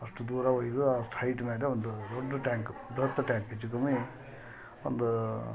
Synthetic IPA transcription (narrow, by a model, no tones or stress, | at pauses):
ɐʂʈud̪uːɾɐʋɐːjid̪uaːsʈʰɐjʈmeːleond̪ud̪oɖːɐʈaːŋkubɾɐt̪ːɐʈaːŋked͡ʒukɐmi | ond̪u